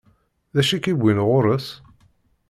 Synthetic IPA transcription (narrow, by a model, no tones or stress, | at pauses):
ðæʃikibʷinʁʊɾˤəs